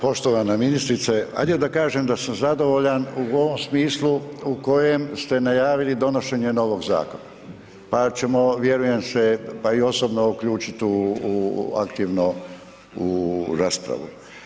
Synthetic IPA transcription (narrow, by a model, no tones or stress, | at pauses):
po̞ʃt̪oʋanaminist̪ɾit̪sea̰jd̪iod̪akaːʒemd̪asamzad̪o̞ʋoʎanuoʋo̞msmiːslˠuuko̞je̞mst̪e̞najaːʋilid̪o̞no̞ʃe̞ɲe̞no̞ʋo̞ɡza̰ːkona | pat͡ʃe̞mo̞ʋje̞ɾuje̞mse̞paio̞sobnoukʎuːt͡ʃit̪u | a̰kt̪iʋno | uɾaːspɾa̰ʋṵ